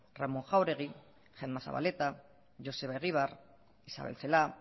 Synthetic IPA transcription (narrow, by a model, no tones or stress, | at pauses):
ramoŋxawɾe̞ɣ̞i | ʝenmasa̰βa̰let̪a | ʝo̞se̞βaeɣ̞iβ̞ar | isa̰βelt͡sela